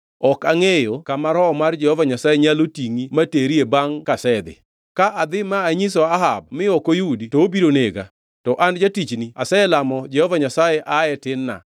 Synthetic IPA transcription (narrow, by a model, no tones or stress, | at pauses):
ɔkaŋejokamaɾɔmard͡ʒɛhɔvaɲasajeɲalotiŋimateɾiebaŋkasɛd̪ɪ̰ | kaʔad̪ɪmaːɲisɔaɦab̚mɪɔkojuditoobiɾoneɡa̰ | tɔʔand͡ʒatit͡ʃniasɛɛlamɔd͡ʒɛhɔvaɲasajɛʔaɛtɪnːa̰